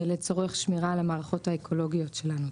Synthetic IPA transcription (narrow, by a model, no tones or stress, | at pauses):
elet͡soʁeχʃmiʁalemaːʁaχo̞thaekʰo̞lo̞ɡijo̞tʃe̞lanu